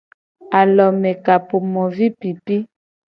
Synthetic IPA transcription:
a˨lɔ˨mɛ˨ka˨po˨mɔ˨vi˦pi˨pi˦

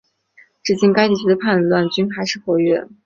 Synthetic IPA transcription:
ʈ͡ʂɻ̩˥˩t͡ɕi˥˩ŋka˥ɪt̪i˥˩t͡ɕʰy˥d̪ə˧pʰa˥˧nt̪wa˥˩nt͡ɕy˥nxa˧˥ɪʂɻ̩˥˩xwɔ˧˥ɥɛ˥˩

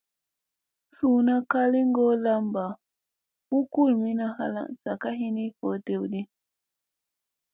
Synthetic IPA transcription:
suː˨na˦ka˦li˦ŋ˦ɡo˦la˦mba˨ | u˦ku˦˨lmi˦na˦ɦa̰˦la̰˦˨nsa˨ka˦ɦi˦ni˦fo˨˦te˦wdi˦

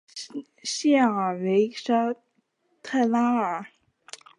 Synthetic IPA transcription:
ɕjɛ˥˩ə˨˩we˧˥ɪʂa˥ | t̪ʰa˥˩ɪla˥ə˨˩

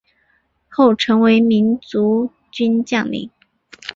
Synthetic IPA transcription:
xo˥˩ʊʈ͡ʂʰɤ˧˥ŋwe˧˥ɪmi˧˥nt͡su˧˥ | t͡ɕy˥nt͡ɕjɑ˥˩ŋlḭ˧˥˦ŋ

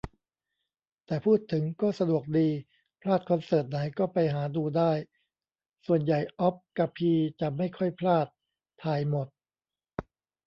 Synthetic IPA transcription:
t̪ɛː˨˩pʰuː˥˩t̪ʰːɯ˩˦ŋkɔː˥˩sa˧du˨˩ək̚diː˧ | pʰlaː˥˩t̪̚kʰɔ˧nsɤː˨˩t̪̚na˩˦jkɔː˥˩pa˧jɦaː˩˦duː˧daː˥˩j | su˨˩ənja˨˩jʔɔ˦˥p̚ka˧˩pʰiː˧t͡ɕa˨˩ma˥˩jkʰɔ˥˩jpʰlaː˥˩t̪ʰː | aː˧jmo˨˩t̪̚

